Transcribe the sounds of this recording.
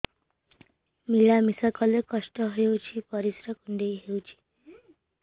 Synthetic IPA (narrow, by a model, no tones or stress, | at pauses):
milamisakɔlekɔʂʈɔɦewt͡ʃʰipʌɾisɾakuɳɖejɦewt͡ʃʰi̥